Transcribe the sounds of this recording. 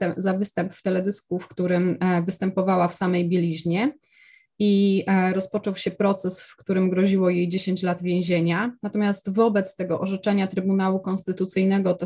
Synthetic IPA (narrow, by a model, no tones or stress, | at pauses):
t̪ɛzavɘst̪ɛmpft̪ɛlɛd̪ɘskufkt̪uɾɘmvɘst̪ɛmpɔvawafsamɛjbʲjelʲiʑɲɛ | iɾɔspɔt͡ʂɔwɕɛpɾɔt̪sɛsfkt̪uɾɘmɡɾɔʑiwɔjejd͡ʑeɕeɲt͡ɕlad̪vʲjẽw̃ʑeɲanat̪ɔmʲjast̪vɔbɛt̪st̪ɛɡɔʔɔʐɛt͡ʂɛɲat̪ɾɘbunawukɔnst̪ɘt̪ut̪sɘjnɛɡɔt̪